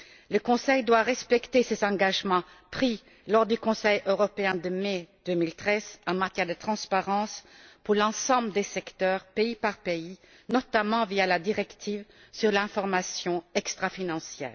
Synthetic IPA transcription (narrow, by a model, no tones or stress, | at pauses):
ləkɔ̃sɛjd̪waʁɛspɛkt̪esezɑ̃ɡaʒmɑ̃ | pχi | lɔʁd̪ykɔ̃sɛjøʁɔpeɛ̃d̪əmɛd̪̥ømilt̪χɛzɑ̃mat̪jɛʁd̪ət̪χɑ̃spaʁɑ̃spuʁlɑ̃sɑ̃bləd̪esɛkt̪œːʁpeipaʁpei | nɔt̪amɑ̃vialad̪iʁɛkt̪ʰiːv | syʁlɛ̃fɔʁmasjɔ̃ɛkst̪χafinɑ̃sjɛ̰ːʁ